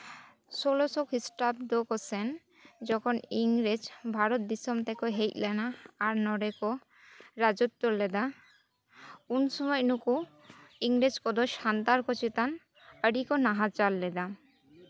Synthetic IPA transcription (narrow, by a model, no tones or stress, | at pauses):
solosokisʈapd̪okosen | d͡ʑɔkʰoniŋɾed͡ʑbʱaɾot̪̚d̪isomt̪ʰekoɦejtlɛnaːɾnɔɾeko | ɾad͡ʑot̪ːoɾled̪a | unsɔmɔjnuku | iŋɾed͡ʑkod̪oʃant̪aɾkot͡ɕit̪an | əɽikonaɦat͡ɕalːed̪a